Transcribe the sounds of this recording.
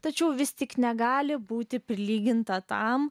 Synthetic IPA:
t̪ɐt͡ʃʲɛʊʋʲɪst̪ʲɪknʲɛɡɑːlʲɪbuːt̪ʲɪpʲɾʲɪlʲiːɡʲɪnt̪ɐt̪ɐm

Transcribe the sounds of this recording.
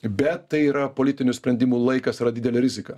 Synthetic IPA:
bʲɛt̪t̪ːɐɪiːɾɐpolʲɪt̪ʲɪnʲʊsʲpʲɾʲɛnd̪ʲɪmuːlˠɐɪkɐsɾɐdʲɪd̪ʲɛlʲɛɾʲɪzʲɪkɐ

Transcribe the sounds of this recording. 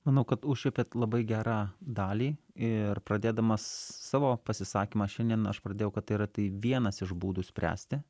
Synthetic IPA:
mɐnɐʊkɐt̪ʊʃʲɛpʲeːt̪lˠɐbɐɪɡʲæːɾɑːd̪ɑːlʲiː | ɪrpɾɐd̪ʲeːd̪ɐmɐssɑːʋoːpɐsʲɪsɑːkʲiːmɑːʃʲɛnd̪ʲiɛnɐ̰ʃpɾɐd̪ʲeːjɛʊkɐt̪ːɐɪiɾɐt̪ɐɪʋʲiɛnɐsɪʒbuːd̪uːsʲpʲɾʲæ̰ːsʲt̪ʲɪ

